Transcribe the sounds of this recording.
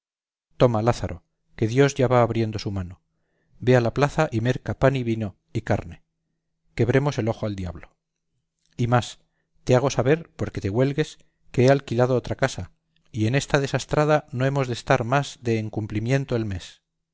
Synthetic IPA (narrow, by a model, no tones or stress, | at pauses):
t̪o̞malaθaɾʔo | ke̞ðjo̞zʝaβaːβɾje̞nd̪o̞sumano̞ | be̞alaplaθaʔime̞ɾkapaniβino | ikaɾne̞ | ke̞β̞ɾe̞mo̞se̞lo̞xoald̪jaβlo | imas | t̪e̞aɣ̞o̞saβe̞ɾpo̞ɾke̞t̪eɣwe̞lɣe̞s | ke̞ealkilað̞oot̪ɾakasa | ie̞ne̞st̪að̞e̞sast̪ɾað̞ano̞e̞mo̞zðest̪aɾmazðe̞ːŋkumplimjẽ̞nt̪oelme̞s